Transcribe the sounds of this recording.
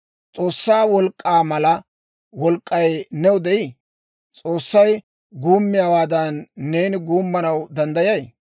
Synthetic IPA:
t͡sʼo̞ːsːaːwɔlkʼːaːmɐlɐ | wɔlkʼːɐjnɛʊd̪ɛʔɪ | t͡sʼoːsːɐj | ɡuːmːɪjaːwaːd̪ɐnːe̞ːnɪɡuːmːɐnɐwd̪ɐnd̪ɐjɐj

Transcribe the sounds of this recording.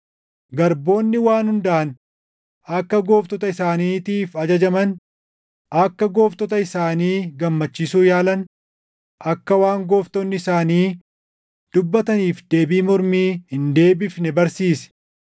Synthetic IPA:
ɡɐɾbo̞ːnːɪwaːnhʊnd̪ɐʔɐn | ɐkːɐɡo̞ːft̪ɔt̪ɐɪsaːniːt̪iːfɐd͡ʒɐd͡ʒɐmɐn | ʔɐkːɐɡo̞ːft̪ɔt̪ɐɪsaːniːɡɐmːɐt͡ʃːɪsuːjaːlɐn | ʔɐkːɐwaːŋɡo̞ːft̪ɔnːɪɪsaːniː | d̪̥ʊbːɐt̪ɐniːfd̪e̞ːbiːmɔɾmiːhɪnd̪e̞ːbɪfnɛbɐɾsiːsɛ̥

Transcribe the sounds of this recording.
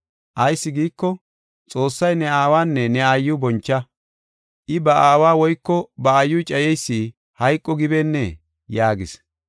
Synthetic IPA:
ʔɐjsːɪɡiːkːɔ | t͡sʼo̞ːsːɐjnɛaːwaːnːɛnɛajːʊbɔnt͡ʃːɐ | ʔɪbɐaːwaːwɔjkːɔbɐɐjːʊt͡ʃʼɐjɛjsːiː | hɐjkʼːɔɡɪbɛnːɛ | jaːɡɪs

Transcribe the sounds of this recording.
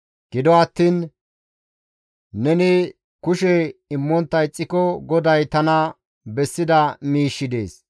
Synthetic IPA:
ɡ̥ɪd̪ɔɐt̪ːiːn | ɛnɪ | kʊʃɛɪmːɔnt̪ːɐjt͡sʼːɪkɔɡɔd̪ɐjt̪ɐnɐ | bɛsːɪd̪ɐmiːʃːɪd̪ḛːs

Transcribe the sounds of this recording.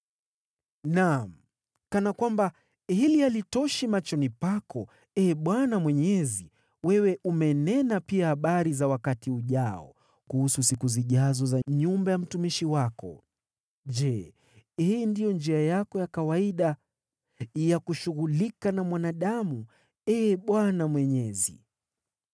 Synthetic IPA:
nam̩ | kanakwamba | hilialitɔʃimat͡ʃɔnipakʰɔ | ɛɓwanamwɛɲɛzi | wɛwɛʔumɛnɛnapiahaɓaɾizawakatiuʄaɔ̰ | kuhususikuziʄazɔzaɲumbajam̩tumiʃiwakɔ̰ | ʄɛ | hiːndijɔnd͡ʒiajakɔjakawaiɗa | jakuʃuɣulikanamwanaɗamu | ɛɓwanamwɛɲɛzḭ

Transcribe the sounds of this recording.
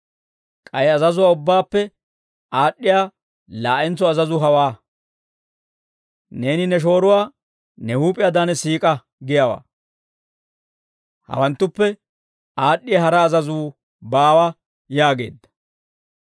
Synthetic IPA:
kʼɐjɐzɐzʊwaːʊbːaːpːɛ | aːɗːɪjaː | laːʔɛnt͡sːɔɐzɐzʊɦɐwaː | ne̞ːnɪnɛʃ̬o̞ːɾʊwaː | nɛhuːpʼɪjaːd̪anɛsiːkʼɐ | ɡɪjawa̰ː | hɐ̰wɐnt̪ːʊpːɛ | aːɗːɪjɐhɐɾɐːzɐzuː | baːwɐ | jaːɡe̞̰ːd̪ːɐ̥

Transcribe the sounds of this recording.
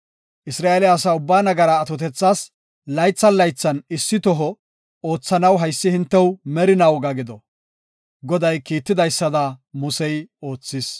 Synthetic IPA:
ʔɪsɾaːelɪɐːs̬aʊbːaːnɐɡɐɾɐːt̪ɔt̪ɛt͡sːaːs | lɐjt͡sːɐnlɐjt͡sːɐnɪsːɪt̪ɔɦɔ | o̞ːt͡sːɐnɐwɦɐjsːɪhɪnt̪ːɛwmɛɾɪnɐwɡɐɡɪd̪ɔ | ɡɔd̪ɐjkiːt̪ːɪd̪ɐjsːɐd̪ɐmʊsɛjo̞ːt͡sːɪs

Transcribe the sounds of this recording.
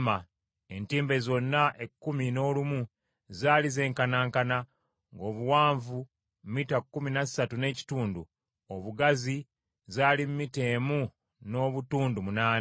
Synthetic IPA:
ma | e̞ntiːmbe̞zo̞nːaʔekːumino̞ːlumu | zaːlize̞ːŋkanaːŋkana | ŋɡo̞ːβuwaːɱvu | mmːitakːuminasatune̞ːci̥tuːndu | oβuɡazi | zaːlimːite̞ːmu | no̞ːβutuːndumunaːn

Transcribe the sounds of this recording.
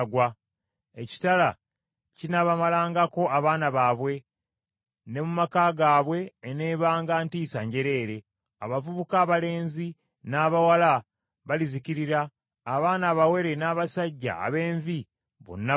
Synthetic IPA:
ɡwa | eci̥tala | cinaβamalaːŋɡako̞ʔaβaːnaβaβwe̞ | ne̞mumakaːɡaːβwe̞ːne̞ːβaːŋɡaːntiːsaɲɟe̞ɾe̞ːɾe̞ | a̰βavuβukaːβale̞ːnzi | naːβawala | βaliziciɾiɾaː | βaːnaːβawe̞ɾe̞naːβasaɟːa̰ːβe̞ːɱvi | βo̰nːa

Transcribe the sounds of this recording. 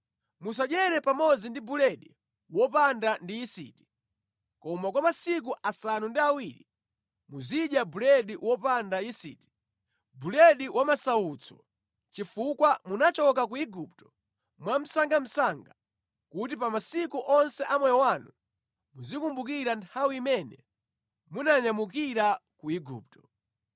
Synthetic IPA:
mus̬aʄɛɾɛpamɔd͡zindibulɛɗi | wɔpandandiisḭti̥ | kɔmakwamasik̬uʔasanundiawiɾḭ | muziɗjabulɛɗiwɔpandaisḭːti̥ | bulɛɗiwʔamasaut͡sʰɔ̰ | t͡ʃifukwamunat͡ʃɔk̬akuiɡup̚tɔ̥ | mwam̩saŋɡam̩saŋɡa | kutipamasikuʔɔnsɛʔamwɛjɔwanu | muzikumbukiɾantʰawiːmɛnɛ̰ | munaɲamukiɾakuiɡṵːp̚tɔ

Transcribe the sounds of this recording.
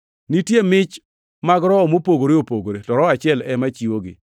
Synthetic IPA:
nitjemɪt͡ʃ | maɡɾɔɔmopoɡoɾeopoɡoɾetɔɾɔat͡ʃɪɛlɛmat͡ʃiwoɡɪ̰

